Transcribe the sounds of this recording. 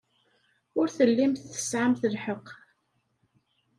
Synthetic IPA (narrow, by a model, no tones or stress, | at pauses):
ʊɾθəlːimθθə̥sʕamθəlħəq